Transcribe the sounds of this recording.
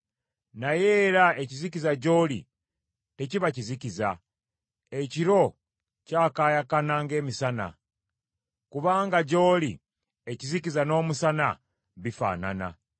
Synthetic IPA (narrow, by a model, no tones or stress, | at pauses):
najeɾaecizicizaɟo̞ːlḭ | te̞ciβaciziciza | eciɾo̞ | caːkaːjakanaːŋɡe̞ːmisana̰ | kuβaːŋɡaɟo̞ːlḭ | e̞cizicizano̞ːmusana̰ | βifa̰ːna̰na̰